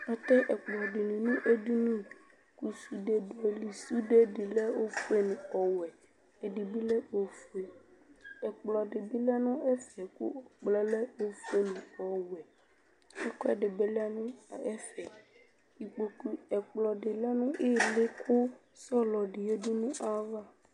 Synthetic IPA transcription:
ɔ˦t̪ɛ˦ʔɛ˨k͡plɔ˨ɖɪ˨nĩ˨nũ˦ʔe˦du˦nũ˦ | ku˨su˨ɖe˨dɔ˨li˨su˦ɖe˦ɖɪ˨lɛ˦o˦fu˦e˦nũ˨ɔ˨wɛ˨ | e˨ɖi˨bi˦lɛ˦o˦fu˦e˨ | ɛ˨k͡plɔ˨ɖɪ˨bi˦lɛ˦nũ˦ɛ˦fɛ˨kṵ˦ɔ˨k͡plɛ˦lɛ˦o˦fe˦nũ˨ɔ˨wɛ˨ | ɛ˦kɔ˦ɛ˨ɖɪ˨be˦lɛ˦nũ˦˨ɛ˦fɛ˨ | i˨k͡po˨ku˨ɛ˨k͡plɔ˨ɖɪ˨lɛ˦nũ˦ʔe˦le˦kʰʊ˦ | sɔ˦lɔ˨ɖi˨e˦di˦nũ˦ʔa˦va˦˨

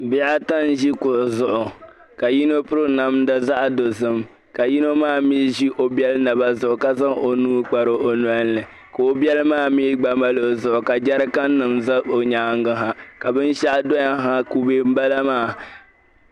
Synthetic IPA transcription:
bi˦a˦ta˦n˦ʒi˦kʊ˨ʔzʊ˨ʔʊ˨ | ka˨ji˦no˦pʊ˦ɾɨ˦na˦mda˦za˦ʔdo˨zɨ˦m | ka˨ji˦no˦maː˦˨miː˦ʒi˦ʔo˨bi˦ɛ˦lna˨ba˦zʊ˨ʔʊ˨ka˦za˦ŋo˨nuː˦k͡pa˨ɾɨ˦ʔo˨nwa˦nː˦ɨ˨ | ko˨o˦bɛ˦lmaː˦˨miː˦ɡ͡ba˨ma˦lo˨zʊ˨ʔʊ˨ka˨d͡ʒa˦ɾɨ˦ka˦nː˦ɨ˨mza˦o˨ɲaː˨˦ŋ˦ɡɨ˦ɦa˦ka˨bɨ˦n˦ʃa˦ʔdo˦ja˦ɦa˦ku˦be˦m̩˦ba˦la˦maː˦˨

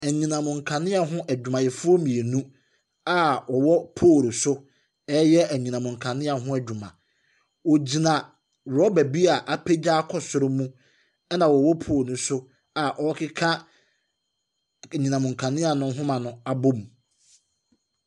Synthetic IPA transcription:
æ˨ɲĩ˨nã˨mʊ̃˨ŋ̩˨kʰã˨nɪ̃˦a˨ɦʊ̃˦ʔæ˨d͡ʑᶣu˨mã˨jɛ˨fʊ˦ɔ˦mĩ˨e˨nũ˦ | a˦ɔ˨wɔ˦pʰoː˦˨ɾsʊ˦ | ɛː˦jɛ˦æ˨ɲi˨nã˨mʊ̃˨ŋ̩˨kʰã˨nɪ̃˦a˨ɦʊ̃˦æ˨d͡ʑᶣu˨mã̰˨ | wɔ˨d͡ʑi˨nã˨ | wɾɔ˦bæ˨bi˦a˨ʔa˦pʰe˦d͡ʑaː˦kʰɔ˨sʊ˨ɾʊ˦mũ˦ | ɛ˦nã˨wɔ˨wɔ˦pʰoː˦˨ɾnʊ̃˦sʊ˦ | a˨ʔɔ˦kʰɪ˦kʰã˦˨ | ɲĩ˨nã˨mʊ̃˨ŋ̩˨kʰã˨nɪ̃˦a˨nʊ̃˦ɦʊ̃˦mã˨nʊ̃˦a˨bo˦m˨

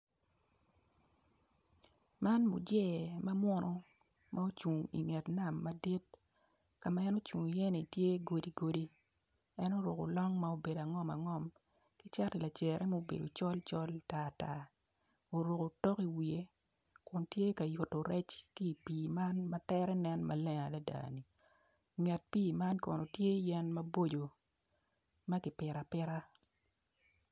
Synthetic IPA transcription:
ma˦nmṵ˨d͡ʒɛ˦˨ma˦mwɔ˦nɔ˦ | mʔa˦o˦t͡ʃu˨ŋḭ˨ŋɛ˨tna˨mːa˨di˦t̚ | ka˨ma˦ɛ˦no˦t͡ʃu˨ŋ˨jɛ˦nɪ˨tje˦ɡo˨di˨ɡo˨di˦ | ɛ˦no˦ɾo˨ko̰˨lɔ˦ŋma˦o˦be˨da˨ŋɔ˦ma̰˨ŋɔ˦m | ki˦t͡ʃa˦tɛ˨la˨t͡ʃɛ˨ɾʔɛ˦mo˦bḛ˨do˨t͡ʃɔ˦lt͡ʃɔ˦lta˦˨ta˦ | o˨ɾo˨ko˨tɔ˦ki˨wi˨e˦ | kʊ˨ntje˦ka˨ju˨tːo˨ɾɛ˦t͡ʃki˦˨piː˨ma˦nmɐ˦tɛ˦ɾɛ˦nɛ˦nma˨lɛ˦ŋa˨la˦da̰ː˨ni˨ | ŋɛ˨t̚piː˦˨ma˦nkɔ̰˨no˨tje˦jɛ˦nmɐ˦bo˦d͡ʒo˨ | ma˦kɪ˨pɪ˨ɾa˨pɪ˦ɾa˦

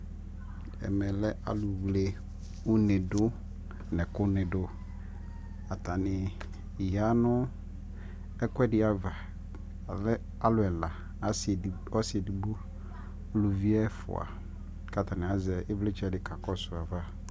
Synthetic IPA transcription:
ɛ̰˨mɛ˨lɛ˦ʔa˨lʊ˨wle˨ | u˦nɪ̃˨dʊ˦ | nɛ̃˨kʊ˦nɪ̃˨dʊ˦ | a˨t̪ʰa˨nɪ˨ | ja˦nʊ̃˦ | ɛ˦kwɛ˦dɪ˨˦a˨va˨ | lɛ˦ | a˦lʊ˨ɛ˨la˨ | a˦s | ɔ˦sɪ˨ɛ˨di˨bo˦ | lʊ˨vi˦ɛ˦fʊ̰˨a̰˨ | ka˨t̪ʰa˨nɪ̃˨a˨zɛ˨ʔɪ˦blɪ˦t͡ʃʰᶣɛ˦dɪ˨kʰa˨kɔ˦sʊ˨a˨va˦

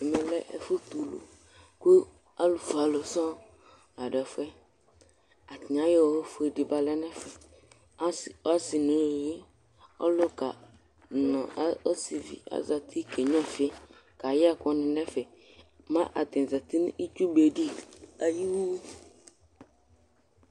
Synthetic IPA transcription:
ɛ˨mɛ˨lɛ˦ʔɛ̰˨fo˦t̪u˨lo̰˨ | ku˦ | a˦lu˨fa˨lo˨sɔ˦ | a˨ɖɛ˨fɛ˦ | a˨t̪i˨ã˨je˦wɔ˨he˦fo˨e˨di˨ba˨lɛ˦nɛ˦fɛ˨˦ | sɔ˦si˨nũ˨je˦ | ɔ̰˦lo˦ka̰˨ | nɔ˨˦o˦si˨vḭ˨a̰˨za˨t̪ʰi˦kʰe˨ɲɔ̃˦fi˨˦e˦ | ka˨ja˦kɔ˦nɪ̃˨nɛ˦fɛ˨ | mã˦ʔa˨t̪ɪ̃˨n˨za˨t̪i˦n˦ʔi˦t͡ʃu˦be˨di˦a˨ji˦wu˦

